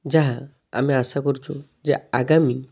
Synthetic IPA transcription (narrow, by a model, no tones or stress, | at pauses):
d͡ʑaɦa | a̰miəsakəɾt͡ʃo | d͡ʑea̰ɡami